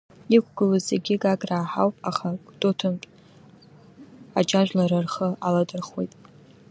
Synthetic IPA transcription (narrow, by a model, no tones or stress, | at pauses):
ikʷʰɡɨlozeɡʲɪɡaɡʼraːħawpʼaχad̥ʼotʰɨnpʼ | ad͡ʒʼaʒᶣʷlaɾarχəaladɨrχwḛjtʼ